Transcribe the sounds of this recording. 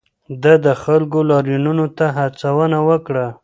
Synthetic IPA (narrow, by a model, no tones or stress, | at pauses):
d̪əd̪əxalɡolɑɾjununot̪aɦat͡sawənawəkɽa